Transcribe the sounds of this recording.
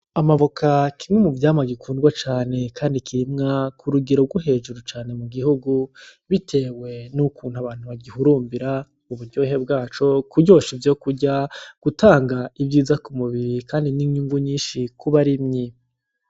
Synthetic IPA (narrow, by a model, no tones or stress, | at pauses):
amaβokʰakimŋemuvjaːmaɡikʰuːndɡwat͡ʃaːne̞kʰaːndikʰiɾimŋakʰuɾuɡiɾoɡuɦe̞ːʒuɾut͡ʃaːne̞muɡihuɡuβitʰe̞ːwe̞nukuːn̥huaβaːn̥huβaɡihuɾuːmbiɾa | uβuɾɟoːɦe̞bɡaːt͡ʃo̞kuɟo̞ːʃivjo̞ːkuɾɟaɡ̥utʰaːŋɡaivɟiːzakumuβiɾikaːndiniɲɲuŋɡuɲiːnʃikuβaɾimɲi